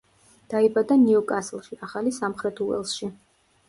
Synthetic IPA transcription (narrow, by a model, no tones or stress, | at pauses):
d̪̥aibad̪aniɔkʼaslˠʃiaχalisamχɾɛt̪ʰuɛ̰lˠsʃi